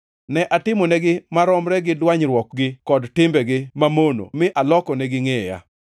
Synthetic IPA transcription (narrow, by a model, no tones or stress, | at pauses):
nɛʔatɪmɔnɛɡɪmaɾɔmɾɛɡɪdwaɲɾwɔkɡɪkɔdtɪmbɛɡɪmamono̰mɪʔalɔkɔnɛɡɪŋɛja̰